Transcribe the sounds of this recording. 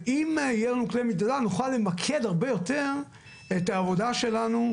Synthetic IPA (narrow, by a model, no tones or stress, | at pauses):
imjelnuklemit̪adanuχalːe̞makʰed̪aʁbejo̞teʁ | etaːvo̞daʃe̞lanu